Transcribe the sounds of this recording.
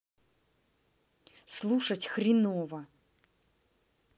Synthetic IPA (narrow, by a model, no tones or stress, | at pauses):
slˠuʂɐtʲxɾʲɪnovɐ